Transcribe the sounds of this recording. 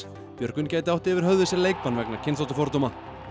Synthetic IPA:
pjœɾkʏncaːjt̪ɪawht̪ɛːvɪɾ̥ɦœðɪsɛɾleːjk̚panvɛknacʰɪnsθawt̪afɔɾt̪owma

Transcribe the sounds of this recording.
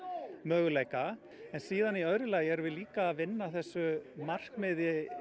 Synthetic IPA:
mœːɣʏleːjka | ɛnsiːðaniœɾɪlaːjɪɛɾvɪðliːkavɪnːaθɛsːʏmar̥kmɪðɪ

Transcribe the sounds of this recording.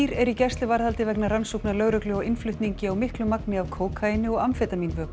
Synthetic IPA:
iɾɛɾicɛrst̪lɪvaɾðalt̪ɪvɛknaransowpnalœːɣɾœklʏɔɪnflʏht̪niɲcɪawmɪhklʏmaknɪawkʰoːwkʰaɪnɪɔɣamfɛt̪aminvœːk

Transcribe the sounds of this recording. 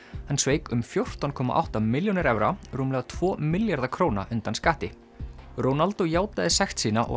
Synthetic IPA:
hanːsveːjkʏmfjowr̥t̪ankʰɔːma̰ʔa̰wht̪amɪljonɪɾɛvɾaruːmlɛɣat̪ʰv̥ɔːmɪljaɾðakʰɾoːwna̰ʔʏnt̪anskaːt̪ɪ | ɾoːwnalt̪ujaːwt̪aðɪsɛxt̪siːnaʔɔ̰

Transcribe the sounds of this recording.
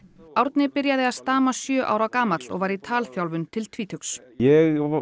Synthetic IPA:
awɾt̪nɪpɪɾjaðɪaðst̪aːmasjœːʔa̰ːwɾawkaːmat̪lɔ̰ɣvaːjɾit̪ʰaːlfjawlvʏnt̪ʰɪlt̪ʰviːt̪ʰʏksjɛɣ

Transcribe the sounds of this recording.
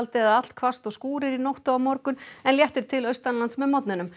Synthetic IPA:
lt̪ɪaðat̪l̥kʰvast̪ɔɣskuːɾɪɾinowht̪ɔamɔɾkʏnɛnljɛht̪ɪɾ̥t̪ʰɪlœɥst̪anlant̪smɛðmɔt̪̚nɪnʏm

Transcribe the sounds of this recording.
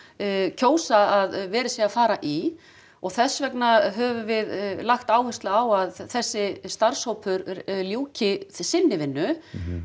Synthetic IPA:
cʰoːwsaaðvɛːɾɪsiafaːɾaʔi | ɔɣθɛsːvɛknaɦɛvʏvɪðlaxt̪aːwhɛst̪laːwaðθɛsːɪst̪aɾ̥showpʰʏɾɾljuːcɪsɪnːɪvɪnːʏ

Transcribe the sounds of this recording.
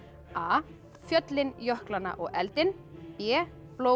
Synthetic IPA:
aː | fjœt̪lɪnjɔhklanːa̰ʔɔɣɛlt̪ɪn | pɛː | ploː

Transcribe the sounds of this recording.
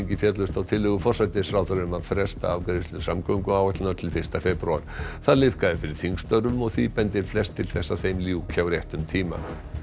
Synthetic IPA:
ɲcɪfjɛt̪lœst̪awt̪ʰɪlːʏɣʏfɔr̥sat̪ɪsɾaːwθaɾɪʏmaðfɾɛst̪a̰avkɾeðɪst̪ʏsamkœŋkʏaːwɛt̪lɪnaɾ̥t̪ʰɪlfɪrst̪afɛpɾua̰ɾ̥θaðlɪðkaðɪfɪɾɪɾ̥θiŋkst̪œɾʏmɔɣθiðpɛnt̪ɪɾ̥flɛst̪ʰːɪlθɛsːaðθejmljuːcʰawɾjeht̪ʏmt̪ʰiːma̰

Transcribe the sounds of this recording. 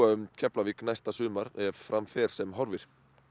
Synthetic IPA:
aʏmcʰɛplaviknajst̪asʏːmaɾɛvfɾʔamfɛɾ̥sɛmɦɔɾvɪɾ̥

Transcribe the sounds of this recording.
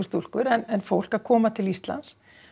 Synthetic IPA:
st̪ul̥kʏɾɛnɛnfowl̥kḁkʰɔːmat̪ʰɪlist̪la̰ns

